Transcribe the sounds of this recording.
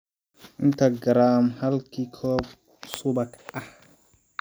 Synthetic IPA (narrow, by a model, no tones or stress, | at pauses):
ʔɪnt̪ɐɡɐɾaːmhɐlkʰiːkʰɔːb | sʊbɐkʔɐh